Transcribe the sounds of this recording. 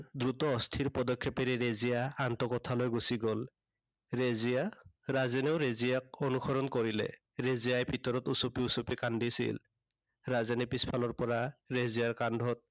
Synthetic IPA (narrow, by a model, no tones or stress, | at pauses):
dɹutɔːstʰiɹpɔdɔkʰːjɔpɛɾɛɹezijaːnt̪ɔkɔtʰalojɡusiɡɔl | ɹezija | ɹazɛnɛʊɹezijak̚ɔnuxʰɔɹɔnkɔɹilɛ̰ | ɹezijajbʱitɔɹɔtusupiusupikandisḭl | ɹazɛnɛpispʰalɔɹpɔɹaɹezijaɹkandʱɔt̚